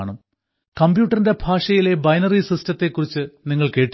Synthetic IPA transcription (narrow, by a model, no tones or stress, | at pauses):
ɳum | kɐmbjuːʈːɐrinde̞bʱaːʂɐjile̞bɐjnɐrisistɐt̪ːe̞kːurit͡ɕːɨniŋːɐɭke̞ːʈː